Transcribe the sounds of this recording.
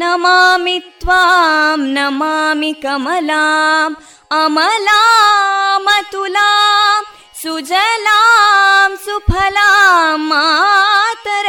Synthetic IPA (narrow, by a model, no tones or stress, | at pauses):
nɐmamit̪ʋamnɐmaːmikɐmɐlaːm | ɐmɐla | mɐt̪ulaːm | sud͡ʒɐlaːmsupʰɐlamːa | t̪ɐɾ